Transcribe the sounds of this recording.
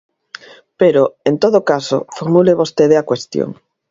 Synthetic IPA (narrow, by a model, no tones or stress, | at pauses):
peɾoent̪oðokaso̰foɾmuleβost̪eðeakwest̪jo̰ŋ